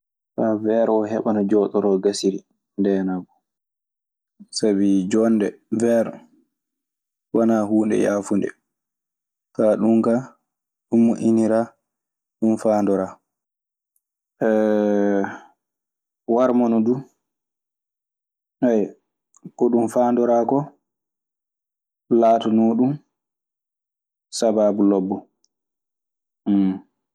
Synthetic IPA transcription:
favɛɾɔɦɛɓanɔd͡ʒɔtɔɾɔːɡasiɾi | ndɛːnabɔ | sabid͡ʒɔndɛvɛɾ | wanaɦuːndɛ̰jaːfundɛ̰ | taɗuŋka | ɗumːuʔiniɾa | ɗunfaːndɔɾaː | ʔɛ | waɾmɔnɔdum | ɛj | kɔɗumfaːndɔɾaːkɔ | laːtɔnoːɗum | sabaːbulɔbːɔ

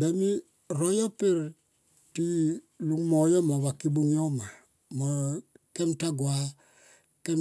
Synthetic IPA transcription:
bemi | ɾojopiɾ | ti | luŋmojomoβakːibuŋoma | mokemtaɡwa | kem

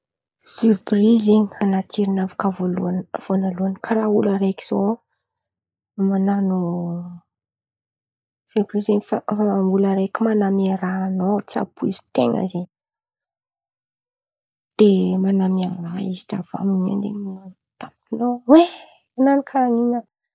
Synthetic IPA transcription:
syɾpriziɲianat̪iɾinavḁkavoluanv̥onaluanikʰaɾauləɾeki̥z̥o | mananu | syɾpɾizeɲifafaambuləɾekʲimanamaɾanot͡sa̰buizi̥t̪eŋə̰zeɲ | d̪̥emanamiaɾaizi̥d̪a̰va̰minia̰nd̪eminan | t̪amkinowe | ananukʰaɾaŋinə

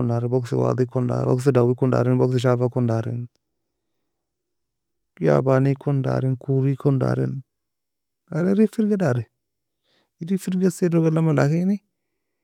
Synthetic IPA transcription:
ndaɾɪboksɪ̰wa̰dikɔnda̰ɾ̰ba̰s̬idawikʊnda̰ɾɪnbaks̬ɪʃ̬avakʊndaɾɪ̰n | kja̰banikʊnda̰ɾɪnkuɾikʊnda̰ɾɪ̰n | aɾiɾifiɾɡedaɾɪ | iɾifiɾɡesedoɡalamalakini

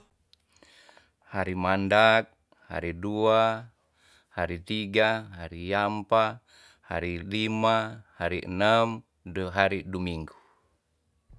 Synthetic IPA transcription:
haɾimandak̚ | ha̰ɾidua | haɾit̪iɡaɦaɾijampa | ha̰ɾilimahaɾiʔənəm | dəɦaɾidumiŋɡu

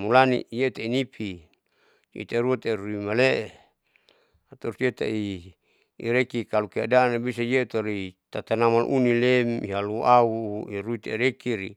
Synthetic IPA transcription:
mulanḭʔjet̪ainipʰi | d͡ʒḭḭt̪eɾuat̪eɾuimaleʔe | at̪ɔɾusjet̪a̰iː | ɾekikalukiadaːnabisajet̪oɾit̪at̪anamalʔṵnilemḭɦaluauiɾuit̪ḛɾekiɾḭ

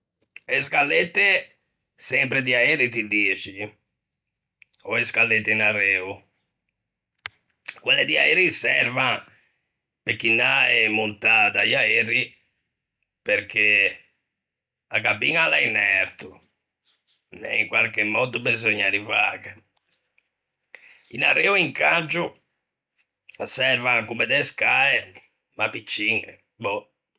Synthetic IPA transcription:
eskalːet̪ːe | sɛmpɾɪd̪iaeːɾit̪id̪it͡ʃi | ɔeskalːet̪ːɪnarɛːu | kwelːed̪iaɛːɾisɛrvaŋ | pek̟ːinːaɛmːunt̪ad̪ajaeːɾi | peɾk̟e | akabiŋalainɛɾt̪u | nɛ̰iŋkwalkemːɔd̪ubizoɲːaɾivaːɡɛ | inarːɛuiŋkand͡ʒu | sɛɾvaŋkumɛd̪ɛskaɛ | mapit͡ʃːiŋɛ̰ | bɔ

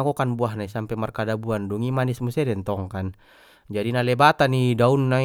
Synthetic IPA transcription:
kɔkanbuaɦnaisampɛmarkadabuanduŋimanismusɛdɛnt̪ɔŋkan | d͡ʒadinalɛbat̪anidaunːa

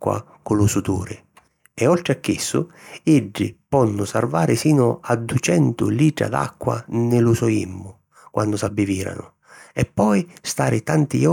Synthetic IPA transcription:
wa̰ | kʊlusut̪uːɾɪ | ɛɔlt̪ɾɪakːisːʊɪɖːɪ̰pɔnːʊsarvaːɾɪsiːnʊad̪ːut͡ʃɛnt̪ʊ̰liːʈ̪ɾa̰d̪a̰kːwa̰nɪlusɔimːʊ | kwʔand̪ʊsabːiviːɾa̰nʊ | ɛpːɔjst̪aːɾɪt̪ant̪ḭɔ

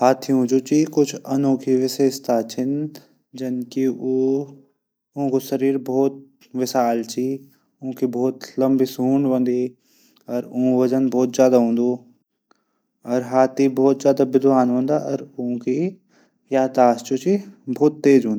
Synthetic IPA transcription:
haːt̪ʰijõd͡ʒoːt͡ʃikʊt͡ʃʰɐnõːkʰiʋɪseːst̪ʰaːt͡ʃʰɪn | d͡ʒɐnkiuː | ʊ̃kosəɾiːɾbɔːt̪̚ | ʋɪsaːlt͡ʃiː | ʊ̃ɦkibɔːt̪lɐmbiːsuːɳɖʋə̃nd̪iː | ɔːɾũːʋɐd͡ʒənbʱɔːt̪zjaːd̪aɦõːnd̪oː | ɔːɾɦaːt̪ʰibɔːt̪̚d͡ʒjaːd̪abɪd̪ʊaːnɦõːnd̪aʔɔɾũki | jaːt̪aːst͡ʃoːt͡ʃibʱɔːt̪ːeːd͡ʒõːnd̪i

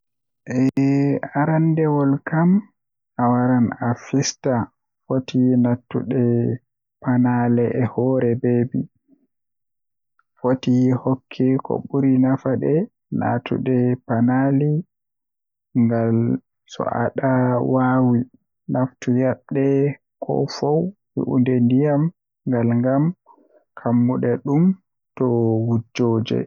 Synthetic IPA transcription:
ʔɛ | aɾandɛwɔlkam | awaɾanafista | fotinatːuɗɛ | panalɛʔɛhɔːɾɛbebi | fotihɔkʰːɛkʰɔ̰ɓuɾinafaɗɛ | na̰tṵɗɛpanali | ŋɡal | sɔ̰ʔa̰ɗawaːwi | naftujaɗːɛ | kʰɔ̰fowhṵʔundɛndijam | ŋɡalŋɡam | kʰamːuɗɛɗum | tɔwud͡ʒːoːd͡ʒɛ̰

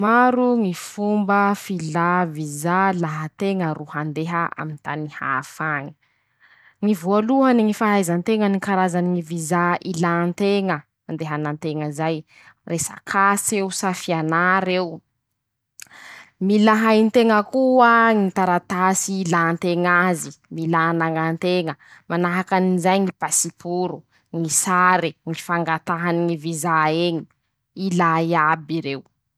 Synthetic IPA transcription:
maɾuŋifumbəfilavizalaɦət̪eŋərʔuhand̪eɦəa̰mint̪a̰niha̰faŋi̥ | ŋivualuɦaniŋifaɦajzant̪eŋənikaɾazaniŋivizailant̪eŋə | and̪eɦanant̪eŋəzaj | resa̰kʰaseusafianaɾew | milaɦaint̪eŋəkuəŋint̪aɾat̪asiːlant̪eŋazimilanaŋant̪eŋəmanaɦakanizajŋipasipuɾu | ŋisaɾiŋifaŋɡat̪aɦaniŋivizaeɲi̥ | ilaiabiɾew

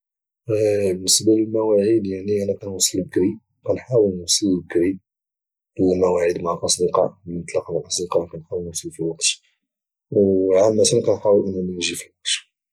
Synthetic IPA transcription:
bənəsbæləlmæwæʕid̪jaʕniʔænækænwɑsˤəlbəkɾi | kænħawəlnwɑsˤəlbəkɾi | ʔəːæmæwæʕid̪maʕʔɑsˤd̪iqɑ̰məət̪lɑqɑmʔɑsˤd̪iqɑmækænħawəlnwɑsˤəlfilwɑq̚t̪ | wʕamːæt̪ənkænħawəlʔənæmənʒifilwɑqt̪

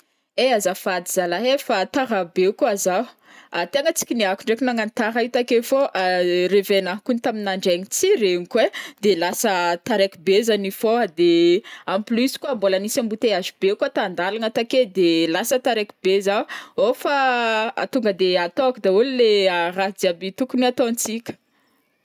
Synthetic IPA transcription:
eazafad̪iz̥alaɦefat̪aɾabekuaza | at̪eŋət͡si̥kʲiniakuɳɖ͡ʐekunaŋanit̪aɾait̪akefoʔarevenaɦkunit̪aminaɳɖ͡ʐeɲit͡siɾeŋikuwed̪elasət̪aɾekubezanifoad̪eamplisi̥kuambolanisambut̪eazubekuat̪and̪alaŋat̪aked̪elasət̪aɾekibezawofaa̰t̪uŋɡəd̪eat̪oakud̪aulleraɦd͡z̪iabit̪ukuniat̪ont͡sikʲə̥

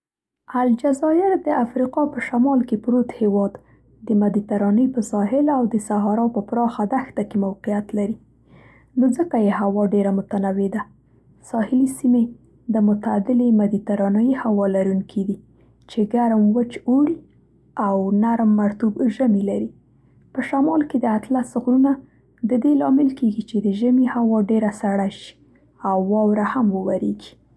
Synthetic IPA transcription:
ald͡ʒazɑjɪɾd̪əafɾiqɑpəʃamɑlkepɾot̪hewɑd̪ | d̪əmad̪it̪aɾɑnəjpəsɑɦɪlawd̪əsaɦɑɾɑpəpɾɑxad̪axt̪akemawqijat̪laɾi | nod͡zəkajehawɑɖeɾamʊt̪anawed̪a | sɑhɪlisime | d̪əmʊt̪ad̪ɪlemad̪it̪aɾɑnɑjihawɑlaɾuŋkʰid̪i | t͡ʃeɡaɾmwət͡ʃoɽi | awnaɾmːaɾt̪ubʒəmilaɾi | pəʃamɑlked̪əat̪lasəɣɾuna | d̪əd̪elɑmɪlkeɡit͡ʃed̪əʒəmihawɑɖeɾasaɽaʃi̥ | awːɑwɾahamwəwaɾeɡi̥

